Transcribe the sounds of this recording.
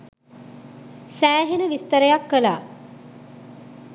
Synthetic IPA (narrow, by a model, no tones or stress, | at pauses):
sæːɦenəʋist̪əɾəjakːəlaː